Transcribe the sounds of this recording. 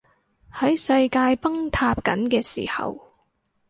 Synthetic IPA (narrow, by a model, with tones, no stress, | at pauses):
hɐ˨˥jsɐ˧jkaː˧jpɐ˥ŋt̪ʰaː˧p̚kɐ̰˨˥nkɛː˧siː˨˩hɐ̰˨w